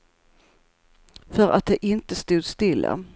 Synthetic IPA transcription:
fœɾʔa̰t̪̚d̪ɛʔɪnt̪əst̪uːd̪st̪ɪlːa̰

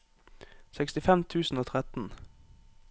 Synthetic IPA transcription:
sɛkst̪ɪfɛmt̪ʰʉːsn̩oːt̪ʰʁɛt̪n̩

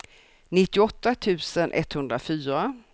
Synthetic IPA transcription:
nɪt̪ːɪɔt̪ːat̪ʰʉ̟ːsənʔɛ̰t̪ːhɵnd̪ɾafyːɾa

